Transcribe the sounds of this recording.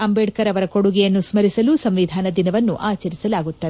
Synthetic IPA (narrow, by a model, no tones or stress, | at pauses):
ɐmbɛɖkɐɾɐʋɐɾɐkoɽuɡɛjɐnːusmɐɾisɐlusɐmʋid̪ʱaːnɐd̪inɐʋɐnːuʔaːt͡ʃɐɾisɐlaːɡut̪ːɐd̪